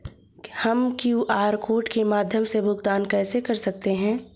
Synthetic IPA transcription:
hɐmkjuːʔaːɾkoːʈkemaːd̪ʱjəmsebʊɡt̪aːnkɛːsekɐɾsɐk̚t̪eɦɛ̃ː

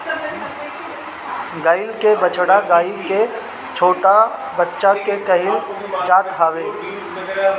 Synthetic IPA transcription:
ɡaːɪlkebət͡ʃɽaɡaːike | t͡ʃʰoːʈabətːʃakekəɦɪlt͡ʃaːt̪ɦʰaːweː

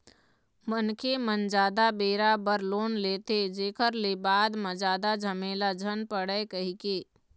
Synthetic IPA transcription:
mənkemənd͡ʒaːd̪abeːɾabəɾloːnleːt̪ed͡ʒeːkəɾlebaːd̪mə̃d͡ʒaːd̪ad͡ʒʱəmelad͡ʒʱənpəɽəkəɦikeː

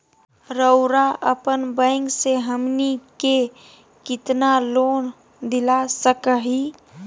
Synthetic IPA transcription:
ɾəʊɾaʔəpənbə̃ɪŋɡseɦəmnike | kɪt̪naloːn | d̪ɪlasəkəɦi

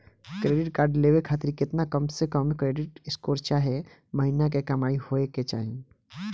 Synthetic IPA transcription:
kɾeːɖɪʈkaːɾɖleːwekʰaːt̪ɪɾkɪt̪nakəmsekəmkɾeːɖɪʈɪskoːɾt͡ʃaɦe | məɦinak̬ekɐmaːihoeket͡ʃa̰ːɦĩ

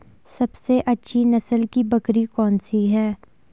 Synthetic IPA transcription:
sɐbseʔɐtːʃʰinɐsəlkibɐkɾikɔːnsiɦɛː

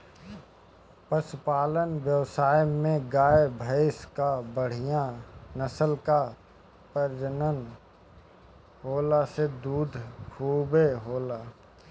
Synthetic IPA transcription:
pəspaːlənwjəwsaːjmẽɡaːjbʱəɪskabəɽ̤ijanəsəlka | pəɾd͡ʒənən | ɦoːlased̪uːd̪ʱkʰuːbeɦoːlaː

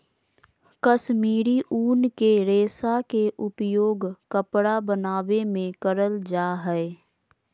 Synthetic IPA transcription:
kəʃmiːɾiʔuːnkeɾeːsakeʔʊpjoːɡkəpɽabənaːʋemẽkəɾəld͡ʒaːɦɛe

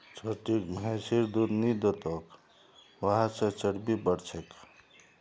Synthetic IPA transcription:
t͡ʃʰoːʈikmɛsiɾd̪uɾnid̪ot̪oːk | ʋəɦãsət͡ʃəɽbibəɽt͡ʃʰek

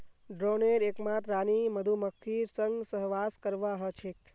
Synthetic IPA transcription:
ɖɾoneɾekmãt̪ɾaniməd̪ʱuməkʰiɾsəŋɡsəɦʋaskəɾʋaɦət͡ʃʰek

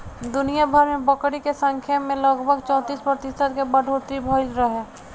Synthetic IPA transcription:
d̪ʊnijabʱəɾmẽbəkɾikesə̃ŋkʰjamẽləɡbʱəɡt͡ʃɔ̃ːt̪iːspɾət̪ɪsət̪kebəɖʱot̪ibʱəɪlɾəɦe

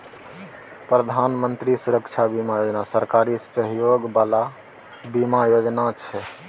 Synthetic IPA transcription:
pɾəd̪ʱanmənt̪ɾisuɾəkt͡ʃʰabimajod͡ʒnasəɾkaɾisəɦjoɡbala | bimajod͡ʒnat͡ʃʰɛ

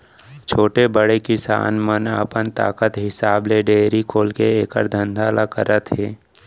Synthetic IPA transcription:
t͡ʃʰoːʈebəɽekɪsa̰ːnmənə̰pənt̪a̰ːkət̪ɦɪsaːbleɖeːɾikʰoːlkeeːkə̰ɾd̪ʱə̃nd̪ʱaːlakə̰ɾət̪ɦeː

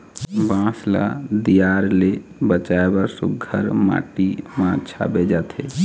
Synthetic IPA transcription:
bãsla̰d̪ijaɾlebət͡ʃaebəɾsuɡʱəɾma̰ʈimãt͡ʃʰa̰bed͡ʒat̪ʰe

